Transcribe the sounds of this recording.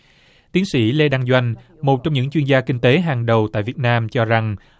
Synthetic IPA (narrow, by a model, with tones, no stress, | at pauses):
t̪i˨˦ənsḭ˧˥˩le˧ɗaː˧ŋzwa˧jŋ̟ | mo˨˩t̚t͡ɕɔ˧wŋ͡mɲɨ̰˧˥ŋt͡ɕwi˧nzaː˧kï˧ŋ̟t̪e˨˦ɦaː˨˩ŋɗə˨˩wt̪a̰ː˧˨jvi˨˩ət̚naː˧mt͡ɕɔ˧za˨˩ŋ